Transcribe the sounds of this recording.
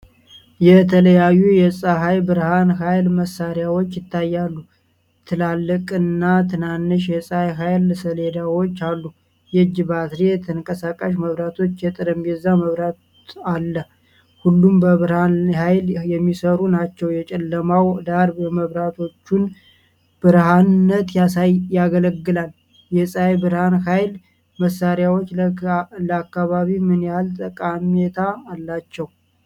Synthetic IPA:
jɛt̪ʰələjajːujɛsʼaɦajbɨɾhanɦajlməsːaɾjawo̞t͡ʃːjɪt̪ʰːajːalːu | t̪ʰɨlalːəkʼɨnːat̪ʰɨnanːɨʃ̬jɛsʼajɦajlsəled̪awo̞t͡ʃːalːu | jɛd͡ʒɨbat̪ɾet̪ʰəŋkʼəsakʼaʃ̬məβɾat̪ʰo̞t͡ʃːjɛt̪ʼɨɾəmbɛzːaməβɾa | alːə | hulːumbəβɨɾhanhajljɛmːisəɾunat͡ʃːɛwjɛt͡ʃʼɛlːəmawd̪aɾbɛməβɾat̪ʰo̞t͡ʃːun | b̥ɨɾɦannːət̪jasajjaɡələɡːɨlal | jɛsʼjbɨɾhanhajl | məsaɾjawo̞t͡ʃːləakːaβaβimɨnjalt̪ʼəkʼamet̪ʰaːlːat͡ʃːɛw

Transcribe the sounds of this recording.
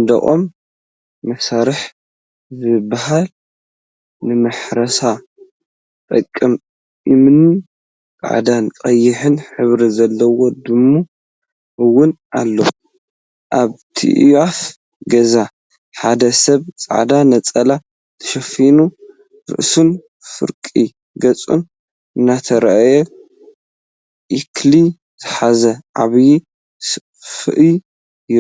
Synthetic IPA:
nd̪ɐ̰ʔʼom | mɐsaɾɨħ | zɨbːaɦal | nɨmɨħɾɐsa | t̪ʼɐkʼːɨm | ʔimnɨn | kʼa̰ʕd̪ant͡sʼɐjːɪħɨnħɨβɾizɐlːɐwo̞d̪ɨmːu | ʔɨwːʊnʔalːo̰ | ʔaβt̪ʰḭʔjaf | ɡɐza | ħad̪ɐsɐβt͡sʼa̰ʕd̪anɐt͡sʼɐla | t̪ʰɐ̥ʃɐfinu | ɾɨ̰ʔsun | fɨ̰ɾkʼi | ɡɐt͡sʼṵn | ɨnːat̪ʰɐɾɐajɛ | ʔikʰli | zɨħazɐʕaβji | s | fɨ̰ʔi | j

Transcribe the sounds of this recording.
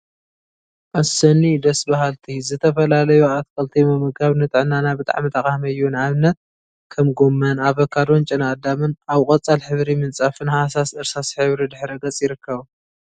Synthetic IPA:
ʔasɐnid̪ɐsbahalt̪ʰizɨt̪ʰɐfɐlalɐjuat̪̚kʰʼɐlt̪ʰimɐmɨɡaβnɨt̪ʼɨʕnanabɨt̪ʼa̰ʕmɨt̪ʰɐxʼahmɐjunʕaβnːɐt̪̚ | kʰɐmɡomːɐnaβɐkʰːad̪ont͡ʃʼɪnad̪amɨnaβkʼɐt͡sʼalħɨβɾimɨnt͡sʼafɨnhasasɨɾsasħɨβɾid̪ɨħɾɨɡɐt͡sʼjɪɾɨkːɐβ

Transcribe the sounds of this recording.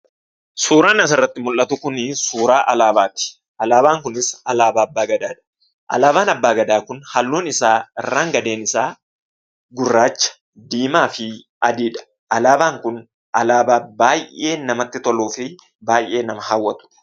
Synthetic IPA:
suːɾaːnɐs̬ɪrːɐt̪ːɪmʊlʔɐt̪ʊkʊnɪsuːɾaːʔɐlaːbaːt̪ɪ̥ | ʔɐlaːbaːŋkʊnɪsɐlaːbaːɐbːaːɡɐd̪aːᶑɐ̥ | ʔɐ̰laːbaːnɐbːaːɡɐd̪aːkʊnhɐlːuːnɪsaːɪrːaːŋɡɐd̪eːnɪsaː | ɡʊrːaːt͡ʃːɐ̥ | d̪iːmaːfɪ | ʔɐd̪iːᶑɐ̥ | ʔɐlaːbaːŋkʊn | ʔɐlaːbaːbaːjʔe̞ːnɐmɐt̪ːɪt̪ɔluːfɪ | baːjʔːe̞ːnɐmɐhɐwːɐt̪ʊ̥

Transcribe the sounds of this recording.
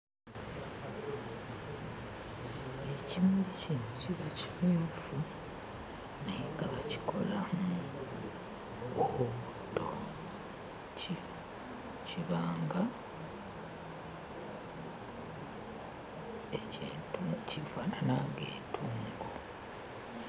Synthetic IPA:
ecimdicinociβaci̥fuːfu | neɡaβaci̥kʰo̞̰lamu | oβutːo̰ | ciβaːŋɡa | e | cifaːnanaŋɡḛːtʰuːŋɡo

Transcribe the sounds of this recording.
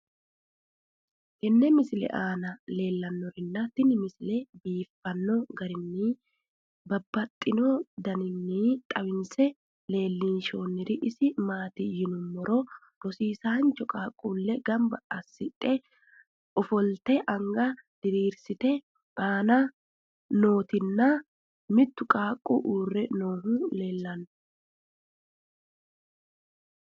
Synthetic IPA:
kɛnːɛmɪsɪlɛ̰ʔaːnɐle̞ːlːɐnːɔɾɪnːɐt̪ɪnɪmɪsɪlɛbiːfːɐnːɔɡɐɾɪnːi | bɐbːɐt̪ʼːɪnɔd̪ɐnɪnːit̪ʼɐwɪnsɛ | le̞ːlːiːnʃoːnːɪɾɪʔɪsɪmaːt̪ɪjɪnʊmːɔɾɔ | ɾɔsiːsaːnt͡ʃɔkʼaːkʼːuːlːɛɡɐmbɐʔɐsːɪᶑʼɛ | ɔfɔlt̪ɛʔɐŋɡɐd̪̥ɪɾiːɾsɪt̪ɛ | aːnɐ | no̞ːt̪ɪnːɐ | mɪt̪ːʊkʼaːkʼːuʔuːrːɛnoːɦule̞ːlːɐn

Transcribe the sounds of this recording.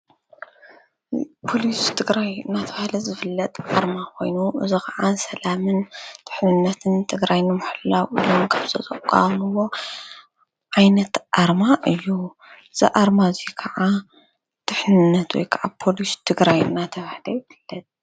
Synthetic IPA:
pʰo̞list̪ʰɨɡɾajɨnːat̪ʰɐβahlɐzɨfɨlːɐt̪ʼʔaɾmakʰo̞̰jnuɨzikʰɐʕasɐlamɨnt̪ʰɨ̥ħnɨnːɐt̪ʰɨnt̪ʰɨɡɾajnɨmʊħɨlːawʔḭlomkʰaβzʰɐt̪ʼɐkʼːa̰mɨwo̞ | ʕajnɐt̪ʔaɾmaʔɨjːu | ɨz̥ḭʔaɾmazikʰɐʕa | t̪ʰɨħnɨnːɐt̪wɔ̰jkʰɐʔapʰo̞list̪ʰɨɡɾajɨ̰nːat̪ʰɐβahlɐjɪfɨlːɐt̪ʼ

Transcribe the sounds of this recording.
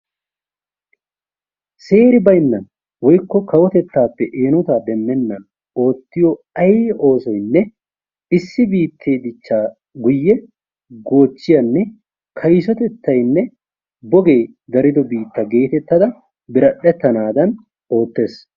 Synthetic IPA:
se̞ːɾɪbɐjnːɐn | wɔjkːɔkɐwɔt̪ɛt̪ːaːpːɛʔeːnʊt̪aːd̪ɛmːɛnːɐn | o̞ːt̪ːɪjɔ | ɐjo̞ːsɔjnːɛ | ɪsːɪbiːt̪ʰːeːd̪ɪt͡ʃːaː | ɡʊjːɛ | ɡo̞ːt͡ʃːɪjɐnːɛ | kʰɐjsɔt̪ɛt̪ːɐjnːɛ | bɔɡe̞ː | d̪ɐɾɪd̪ɔbiːt̪ːɐɡe̞ːt̪ɛt̪ːɐd̪ɐ | bɪɾɐɗɛt̪ːɐnaːd̪ɐn | o̞ːt̪ːe̞ːs

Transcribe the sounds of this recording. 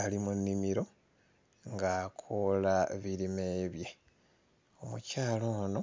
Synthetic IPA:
alimunːimiɾo̞ | ŋɡakʰolaβilime̞βje | omṵcaːlono̞

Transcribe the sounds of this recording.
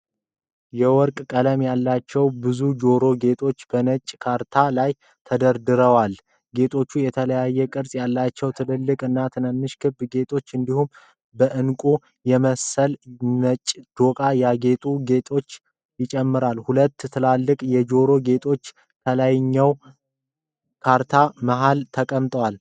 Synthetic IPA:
jɛwɔɾkʼkʼələmjalːat͡ʃːɛwbɨzud͡ʒo̞ɾo̞ɡe̞t̪ʰʼo̞t͡ʃːb̥ənət͡ʃʼkʰaɾt̪ʰalaj | t̪ʰəd̪əɾd̪ɨɾəwal | ɡe̞t̪ʰʼo̞t͡ʃːujɛt̪ʰələjajːɛkʼɨɾsʼjalːat͡ʃːɛwt̪ʰɨlɨlːɨkʼɨnːat̪ʰɨnəmːɨʃkʰɨbɡe̞t̪ʰʼo̞t͡ʃːɨnd̪ihum | bəʔɨnkʼu | jɛməsəlnət͡ʃʼːd̪̥o̞kʼajaɡe̞t̪ʼuɡe̞t̪ʼʰo̞t͡ʃː | jɪt͡ʃʼɛmːɨɾalhulət̪ːt̪ʰɨlalːɨkʼjɛd͡ʒo̞ɾo̞ɡe̞t̪ʼʰo̞t͡ʃː | t̪ʰəlajɲːɛw | kʰaɾt̪ʰaməɦalt̪ʰəkʼəmt̪ʼəwal

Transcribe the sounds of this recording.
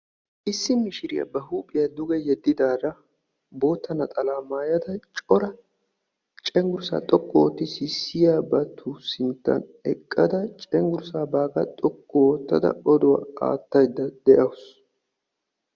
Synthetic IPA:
ʔɪsːɪmɪʃɪɾɪjɐ̰bɐɦuːpʼːɪjɐd̪ʊɡɛjɛd̪ːɪd̪aːd̪ɐ | bo̞ːt̪ːɐnɐt̪ʼɐlaːmaːjɐd̪ɐt͡ʃʼɔɾɐ | t͡ʃʼɛŋɡʊɾsa̰ːt̪ʼɔkʼːɔwɔt̪ːɪsɪsːɪjaːbɐt̪ʰːuːsɪnt̪ːɐ̰nɛkʼːɐd̪ɐt͡ʃʼɛŋɡʊɾsaːbaːɡɐt̪ʼɔkʼːɔwɔt̪ːɐ̰d̪ɐ̰ɔd̪ɔwa̰a̰ːt̪ːɐjd̪ːɐd̪ɛʔɐwʊs

